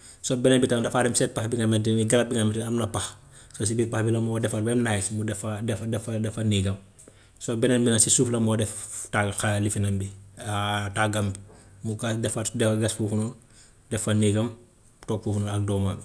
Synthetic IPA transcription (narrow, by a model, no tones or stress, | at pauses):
sobɛnɛnbitandɐfaɾɛmsɛt̚paxbiŋamɛtiiɡɐlɐbiŋɐmɛtiɐmnɐpɐx | sos̬ibipaxbilɐmɔdɛfɐbɛmnajtmudɛfadɛfdɛfɐdɛfɐniːɡɐm | sobɛnɛnbinɐnsisuːflɐmɔːdɛftaxalifinɐmbiataɡɐmbimuɡadɛfɐdɛfɡɐsfuːfunu | dɛfɐniɡɐm | tɔːk̚fuːfunuɐk̚dɔːman